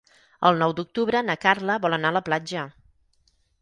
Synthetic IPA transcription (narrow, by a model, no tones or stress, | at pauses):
ə̰lˠnɔwd̪uk̚t̪uβɾənəkarləβɔlˠənaələplad͡ʒə